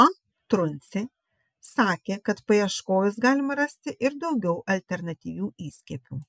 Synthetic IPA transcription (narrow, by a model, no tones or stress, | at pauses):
ɐ | t̪ɾʊnʲt̪sʲɪ | sɑːkʲeːkɐt̪pɐjɛʃkoːjʲʊsɡɑːlʲɪmɐɾɐsʲt̪ʲɪʔɪɾd̪ɒʊɡʲɛʊʔɐlʲt̪ʲɛɾnɐt̪ʲiːʋʲuːiːsʲkʲɛːpʲuː